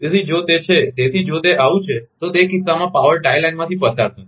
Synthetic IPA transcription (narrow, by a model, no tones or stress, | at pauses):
esid͡ʒot̪et͡ʃʰet̪et̪ʰid͡ʒot̪eʔaʋũt͡ʃʰet̪ot̪ekɪssamãpaʋəɾʈajlajnmãt̪ʰipət̪aɾsa